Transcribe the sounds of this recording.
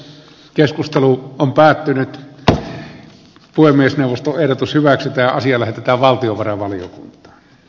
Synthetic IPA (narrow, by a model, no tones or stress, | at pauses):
keskust̪eluompæːt̪ːynyt̪ | puemˑiesneˑuʋˑost̪oʔʔeˑhrot̪ushyʋæksyt̪æɑsiɑlæhet̪et̪æːʋʋɑlt̪ioʋɑrɑʋɑlijo̰kṵnt̪ˑɑ̥ː